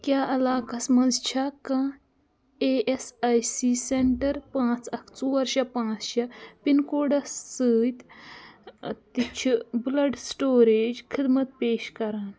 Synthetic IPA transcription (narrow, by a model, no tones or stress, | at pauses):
kʲjaʔɐlaːkasmɐd͡zt͡ʃʰakã | eesajsiseɳʈəɾpãt͡sɐkʰt͡suʋɐɾɕapãt͡sɕapinkoɖɐsːəjt̪ | t̪it͡ʃʰiblɐɖsʈoːɾed͡ʑkʰid̪mət̪̚peːɕkɐɾaːn